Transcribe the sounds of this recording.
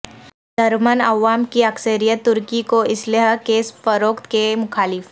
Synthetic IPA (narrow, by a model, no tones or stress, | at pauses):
d̪ɐɾmənɐʋaːmkiɐksəɾijət̪ːʊɾkikoɪsleɦkeːspəɾoːkt̪kemʊkʰaːlɪf